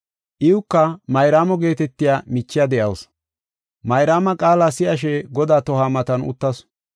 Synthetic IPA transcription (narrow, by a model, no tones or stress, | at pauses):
ʔɪʊkːɐmɐjɾaːmɔɡe̞ːt̪ɛt̪ːɪjaːmɪt͡ʃːɪjɐd̪ɛʔɐ̰ws | mɐjɾaːmɐkʼaːlaːsɪʔɐʃ̬ɛɡɔd̪aːt̪ɔhaːmɐt̪ɐnʊ̰t̪ːɐs